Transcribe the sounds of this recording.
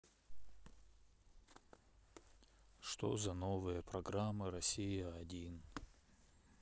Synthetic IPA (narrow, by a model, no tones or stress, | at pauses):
ʂt̪ozɐnovɨjəpɾɐɡɾamːɨɾɐsʲijəɐdʲin